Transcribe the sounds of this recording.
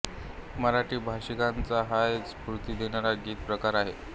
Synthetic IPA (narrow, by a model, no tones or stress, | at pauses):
məɾaʈiːbʱaɕikant͡saɦajt͡spuɾt̪iːd̪enaɾaɡiːt̪̚pɾəkaɾaɦe